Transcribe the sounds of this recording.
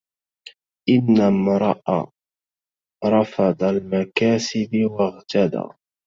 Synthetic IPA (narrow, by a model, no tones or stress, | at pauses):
ʔɪnːamɾˤɑʔa̰ | ɾˤɑfɑd̪ˤɑlmakaːsɪbɪwaɣt̪ad̪a̰